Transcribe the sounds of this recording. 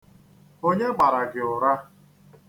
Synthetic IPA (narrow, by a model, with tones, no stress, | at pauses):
o˦ɲe˦ɡ͡ba˨ɾa˨ɡɪ˨ʊ˨ɾa˦